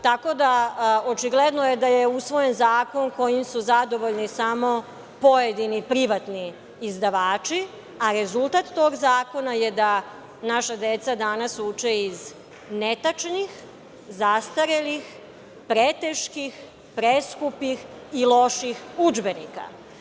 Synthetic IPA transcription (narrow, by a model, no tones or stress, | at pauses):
t̪ako̞d̪aot͡ʃiɡled̪nojed̪ajeusʋo̞je̞nzaːko̞nko̞jimsuzad̪o̞ʋo̞ʎnisamo̞ | po̞jed̪inipɾiʋat̪niː | zd̪aʋaːt͡ʃi | aɾezulˠt̪at̪ːo̞ɡzaːko̞najed̪a | naʃad̪et̪sad̪anasut͡ʃeiz | net̪at͡ʃnix | zast̪aɾelix | pɾet̪eʃkix | pɾeskupix | ilo̞ʃixud͡ʒbe̞nika̰